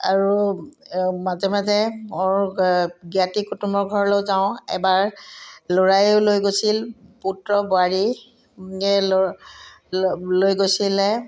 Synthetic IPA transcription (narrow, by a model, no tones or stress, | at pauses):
a̰ɹu | mazɛmazɛmoɹɡiatikutumbɔɹɡʱɔɹɔlowzaʊ̃ɛ̰baɹlɔɹajʊlojɡosilputɹɔboaɹi | l | lojɡojsilɛ